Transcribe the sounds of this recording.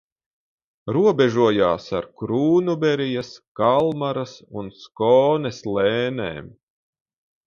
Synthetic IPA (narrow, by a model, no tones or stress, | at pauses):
ɾuɔbɛʒuɔjaːsa̰ɾkɾuːnubɛɾijaskalˠmaɾasunskɔːnɛslˠeːnḛːm